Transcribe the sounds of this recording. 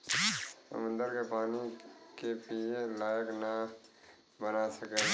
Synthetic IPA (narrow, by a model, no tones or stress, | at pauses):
sə̰mə̃nd̪əɾkepaːnikepielaːjəkna | bənasəkeː